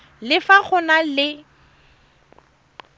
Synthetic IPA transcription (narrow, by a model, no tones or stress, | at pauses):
lɪfaχʊnalɪ